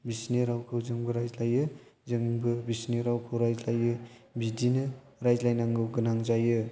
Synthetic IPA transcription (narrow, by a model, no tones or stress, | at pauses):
bisneɾawkʰɯwzɯŋbɯɾajzlajɯ | zɯŋbɯbisneɾawkʰɯwɾajzlajɯ | bidinɯ | ɾajzlajnaŋɡɯwɡɯnaŋzajɯ